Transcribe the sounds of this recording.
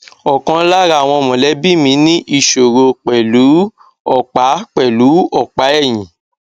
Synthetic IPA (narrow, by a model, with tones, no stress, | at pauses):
ɔ˨kã˧˦la˦ɾa˧˨w̃ɔ̃˧mɔ̃˨lɛ˨˦bi˦mĩ˧˦nĩ˦ʔi˦˨ʃo˨ɾo˧k͡pɛ˨lu˨˦ | ɔ˦˨k͡pa˨˦k͡pɛ˨lu˨˦ɔ˦˨k͡pa˨˦ɛ˦˨j̃ĩ˨